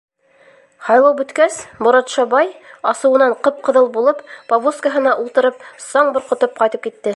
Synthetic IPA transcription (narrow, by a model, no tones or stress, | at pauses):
hɑjlˠɑwbɵ̆t̪kæsbŏɾɑt̪ʃɑbɑjɑsɤ̆wɤ̆nɑɴqɤp̚qɤ̆ðɤlˠbulˠɤppɐβuskaɦɤ̆nɑʔulˠt̪ɤ̆ɾɤp̚sɑɴbŏɾqŏt̪ɤp̚qɑjt̪ɤp̚kit̪ːɘ